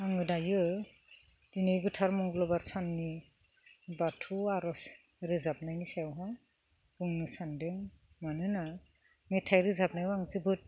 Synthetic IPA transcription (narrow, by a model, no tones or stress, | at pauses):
aŋɯdajɯ | d̥inɯjɡɯtʰaɾmɔŋɡlɔbaɾsanːi | batʰuaɾɔs | ɾɯzap̚najnisawɦa | bɯŋnɯsandɯŋmanɯnametʰajɾɯzap̚najaŋzɯbɯt̚